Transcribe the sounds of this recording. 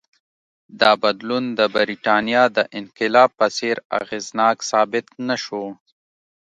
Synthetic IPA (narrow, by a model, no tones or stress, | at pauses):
d̪ɑːbad̪lund̪əbəɾiʈɑːnijɑd̪əʔɪnqɪlɑːb̚pəseɾa̰ɣeːznɑːksɑːbɪt̪naʃo